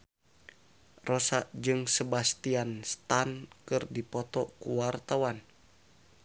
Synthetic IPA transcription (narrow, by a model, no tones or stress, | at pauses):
rɔsaʔd͡ʒɨŋsəbast̪ianst̪ankɨrdipɔt̪ɔkuwart̪awan